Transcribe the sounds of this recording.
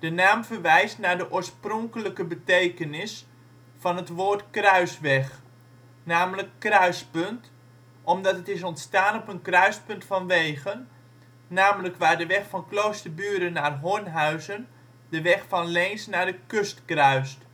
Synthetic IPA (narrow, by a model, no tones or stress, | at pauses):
d̥ənaːmfərʋɛjstnaːɹdəʔoːəɹsprɔŋkələkəbətejkənɪs | fɑnɦətʋoːrtkrœɥsʋɛx | naːmləkːrœɥspɵnt | ʔɔmdɑtətɪs̬ɔntstaːnɔpənkrœɥspɵntfɑnʋeːɣənː | aːmələkʋaːdəʋɛxfɑnklowstərbyːədənːarɦoənɦœɥzən | dəʋɛxfɑnlɛːnsnaːdəkɵstkrœɥst